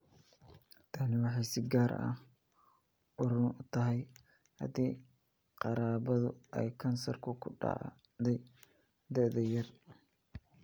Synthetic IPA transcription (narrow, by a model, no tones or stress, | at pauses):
t̪ʰɐnɪwɑħɑjsɪɡaːɾɐ̰ | ʊɾʊnʊt̪ʰɐɦɛj | hɐ̰d̪iː | qɑɾaːβɐðʊ̰ʔɛ̰jkʰɐnsɔrkʰʊkʰʊɖɑ̰ʕ | d̪ɛj | d̪ɛʔd̪ɐjɐr